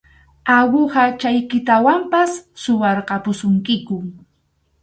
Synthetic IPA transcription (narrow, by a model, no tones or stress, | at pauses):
awʊɢɑt͡ʃajkɪt̪awampasːʊwɑɾqɑpʊsʊŋkɪkʊ